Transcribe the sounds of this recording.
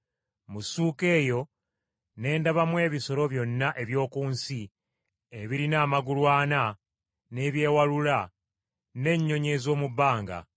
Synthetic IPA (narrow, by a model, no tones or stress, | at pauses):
musuːke̞ːjo̞ | ne̞ːndaβamwe̞ːβiso̞ɾo̞βjo̞nːaʔe̞βjo̞ːkuːnsi | eβiɾinaːmaɡulwaːna | ne̞βje̞ːwalula | ne̞ɲːo̞ɲe̞zo̞ːmubːaːŋɡa̰